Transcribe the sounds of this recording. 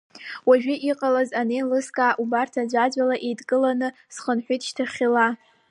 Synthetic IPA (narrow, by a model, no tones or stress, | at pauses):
waʒᶣɪʔiqʼalazanelɨskʼaʔubartʰad͡ʒʷad͡ʒʷalaʔejtkʼɨlanɨ | sχənħʷᶣijtʰʼʃtʰaχʲila